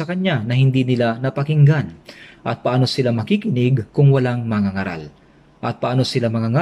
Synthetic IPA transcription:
ɐkɐɲanɐhɪnd̪inɪlanɐpɐkɪŋɡanʔɐt̪̚pɐʔaːno̞sɪlamɐkiːkɪnɪɡkʊŋwɐlaŋmɐŋaŋaɾa̰l | ʔɐt̪̚pɐʔaːno̞sɪlamɐŋaŋa

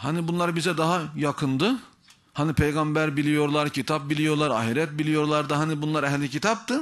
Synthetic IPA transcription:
hanibunlˠaɾbizɛd̪aɦajakʰɯnd̪ɯ | hanipʰejɡambæɾbilʲijo̞ɾlˠaɾcʰit̪ʰap̚bilʲijo̞ɾlˠaɾaːɦiɾɛt̪̚bilʲijo̞ɾlˠaɾd̪ɯɦanibunlˠaɾɛhlʲːicit̪ʰap̚t̪ɯ

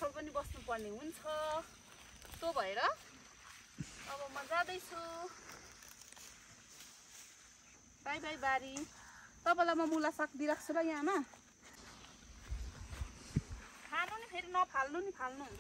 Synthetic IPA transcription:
ʌɾpʌnibʌsnupʌrneɦunt͡sʰʌ | t̪obʱʌeɾʌ | ʌbʌmʌd͡zad̪ʌjt͡sʰu | bajbajbaɾi | t̪ʌpãlamʌmulasakʰd̪iɾak̚ʰt͡sʰuɾʌjɦãma | kʰanunipʰeɾinʌpʰalnunipʰalnu

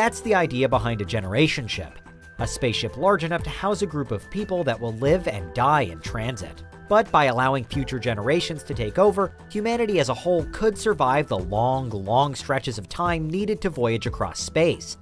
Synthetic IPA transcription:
ðætsðiaɪdiɨbəɦãɪ̃ndɨd͡ʒɛnə̰˞eɪʃɨ̃nʃɪ̰p | ɨspeɪsʃɪplɑɹd͡ʒɨnʌftʰɨhaʊzɨɡɹʉpʌv̥pʰipl̩ˠðɨt̚wəlˠlɪvɨ̰̃ndaɪɨ̰̃ntʰɹ̥æ̃nzɨ̰t̚ | b̥ʌt̚b̥aɪəlaʊɪ̃ŋfjʉt͡ʃə˞d͡ʒɛnə˞eɪʃɨ̃nz̥tʰɨtʰeɪkoʊvə˞ | hjʉmænɨɾiɨzəhoʊlˠkʰʊd̥sə˞vaɪvðəlɔ̃ŋlɔ̃ŋstɹ̥ɛt͡ʃɨzʌv̥tʰãɪ̃mniɾɨd̚tʰɨvɔɪɨd͡ʒɨkʰɹ̥ɔ̰speɪs

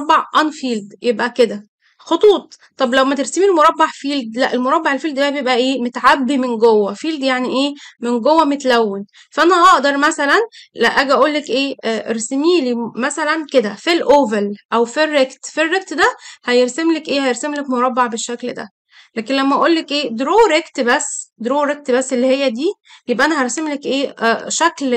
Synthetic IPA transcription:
bːɑʕʔɑnfiːld̪jebʔæked̪æ | xot̪ˤuːt̪ˤːɑblæwmæt̪eɾsimilmoɾˤɑbːɑʕfiːld̪læʔelmoɾˤɑbːɑʕelfiːld̪b̪æbejebʔæʔeːmot̪ʕabːimenɡowːæfiːld̪jaʕniʔeːmenɡowːæmet̪læwːen | fæʔænæhɑʔd̪ɑɾˤmæsælænlæʔæɡæʔæʔuːlːekʔeːæʔeɾsemiːlimæsælænked̪æfilʔoːvælʔæwfirːekt̪firːek̚t̪d̪æhæjeɾsemlekʔeːhæjeɾsemlekmoɾˤɑbːɑʕbeʃːækld̪æ̰ | læːkenlæmːæʔæʔoːlːekʔeːd̪ɾoːɾekt̪bæsːd̪ɾoːɾek̚t̪bæsːelːihejːæd̪iːbjebʔænæɦæɾˤsemlekʔeːʃækl

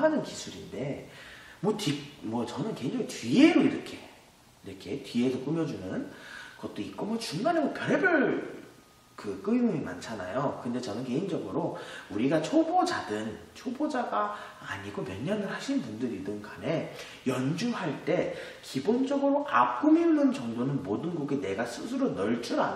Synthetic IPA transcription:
anɯnkisʰuɾinde̞mwʌtimwʌt͡ɕʌnɯnke̞ɦind͡ʑʌŋitɥie̞ɯɾɾɯkʰe̞ | ɾɯkʰetɥiesʰʌk͈ɯmjʌd͡ʑunɯnkʌt̚t͈oik̚k͈omʌt͡ɕuŋɡanemwʌkjʌɾebɯɭ | kɯk͈ɯjuima̰nt͡ɕʰana̰jokɯnde̞t͡ɕʌnɯnke̞ɦind͡ʑʌɡɯɾouɾiɡat͡ɕʰobod͡ʑadɯn | t͡ɕʰobod͡ʑaɡaː | ɲiɡomjʌɲɲːʌnɯɭhaɕʰinbundɯɾidɯnkane̞ | jʌnd͡ʑuhaɭt͈e̞ | kibond͡ʑʌɡɯɾoʔap̚k͈ɯminɯnd͡ʑʌŋdonɯnmodɯnɡuɡene̞ɡasʰusʰɯɾonʌɭt͡ɕ͈ʰuɾa̰

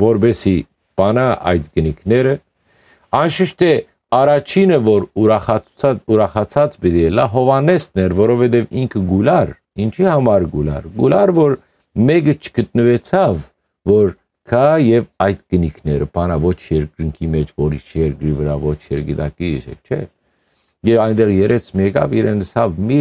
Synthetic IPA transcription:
vɔɾbɛsi | pɑnɑʔɑjt̪ɡənikʰnɛɾə | ɑnʃəʃt̪ɛ | ɑɾɑt͡ʃʰinəvɔɾuɾɑχɑuɾɑχɑt͡sʰɑt͡sbit̪iɛlɑɦɔvɑnɛst̪nɛɾvɔɾɔvɛt̪̬ɛviŋkʰəɡulɑɾ | int͡ʃʰihɑmɑɾɡulɑ̰ɾɡulɑɾvɔɾ | mɛk̬ət͡ʃʰə̥ɡ̥ət̪̚nəvɛt͡sʰɑvː | ɔɾ | kʰɑjɛvɑjt̪ɡ̥ənikʰnɛɾəpʰɑnɑvɔt͡ʃʰjɛɾkɾəŋkʰimɛt͡ʃʰvɔɾḭʃjɛɾkɾivəɾɑvɔt͡ʃʰjɛɾɡit̪ɑ̰kiʃɛ̰t͡ʃʰɛ̰ | jɛvɑjnd̪ɛʁjɛɾʔɛt͡sʰmjɛkɑ̰viɾɛnəsɑvmi

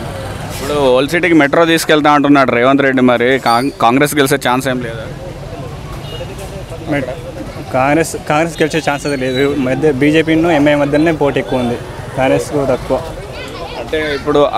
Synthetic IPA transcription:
ipːuɽuolsiʈikimeʈɾoːt̪iːskɛɭt̪aːɐɳʈunːaːɽɾeːʋɐnt̪ɾeɖːimɐɾikakaːŋɡɾeːs̬kelis̬et͡ʃaːnseːmleːd̪a | m | kaːŋɡɾeskaːŋɡɾeːskeliset͡ʃaːnsɐt̪leːd̪umɐd̪ɐbiːd͡ʒeːp̬iːnuemejmɐd̪ːɐnːeːpoːʈiekːuund̪i | kaːŋɾeskot̪ɐkːuʋaː | ɐɳʈeːipːuɽu

